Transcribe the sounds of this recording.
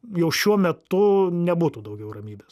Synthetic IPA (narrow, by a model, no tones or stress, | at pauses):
jɛʊʃʲuɔmʲɛt̪ʊnʲɛbuːt̪uːd̪ɐʊɡʲɛʊrɐmʲiːbʲeːs